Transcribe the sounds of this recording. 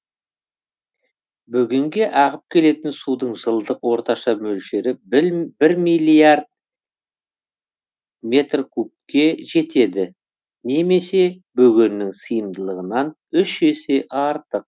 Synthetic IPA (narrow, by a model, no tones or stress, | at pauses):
bʏɡʲɪŋɡʲe̞ʔɑʁəp̚kʲʰe̞le̞t̪ɪnsud̪əɴʒəlˠd̪əqwo̞ɾt̪ɑʃɑmɵlʃe̞ɾɪbɪɾmijlʲiard̪̚ | mʲe̞t̪rkʰup̚kʲe̞ʒe̞t̪e̞d̪ɪ | ne̞me̞se̞bɵɡʲennɪŋsəjəmd̪əlˠəʁənɑn | ʏʃe̞se̞ʔɑɾt̪əq̚